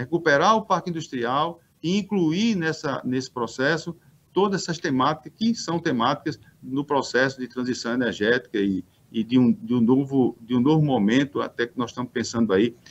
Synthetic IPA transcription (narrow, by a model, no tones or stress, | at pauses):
hekupɛɾaɾʊpaɾkɪĩnd̪uʃt̪ɾiaw | ɪĩkluiɾnɛsɐnesɪ̥pɾɔsɛsʊ | t̪od̪ɐzɛsɐst̪emat̪i̥kɐskɪsɐ̃w̃t̪emat̪i̥kɐz | nʊpɾɔsɛsʊd̪ɪt̪ɾɐ̃zisɐ̃w̃enɛɾʒɛt̪i̥kɐiː | d̪ɪũd̪ũnovʊd̪ɪũnovʊmõmẽnt̪ʊa̰t̪ɛkɪnɔz̥ʃt̪ɐ̃mʊspẽsɐ̃nd̪ʊai